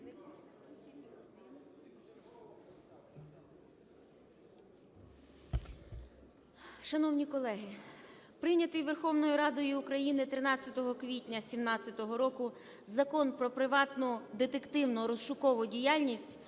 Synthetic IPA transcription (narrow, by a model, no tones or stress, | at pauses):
ʃɐnɔwnʲikɔlˠɛɦɪpɾɪnʲɐt̪ɪjʋerxɔwnɔjiɾɑd̪ɔjʊːkɾɐjinɪt̪ɾɪnɑt͡sʲːɐt̪ɔɦɔkʋʲitʲnʲɐsʲimnɑt͡sʲːɐt̪ɔɦɔɾɔkʊ | zɐkɔnpɾɔpɾɪʋɑt̪nʊd̪et̪ekt̪ɪwnɔɾɔsʃʊkɔʋʊdʲijɑlʲnʲisʲtʲ